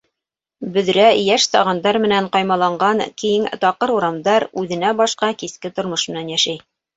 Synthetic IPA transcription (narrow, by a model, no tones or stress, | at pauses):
bɵ̆ðɾæjæʃsɑ̰ʁɑnd̪ɑɾmɘ̆næɴqɑjmɑlˠɑɴɢɑnkijɘŋt̪ɑqɤɾuɾɑmd̪ɑɾʉðɘ̆n̪æbɑʃqɑkiskɘt̪ŏɾmoʃmɘ̆nænjæʃæj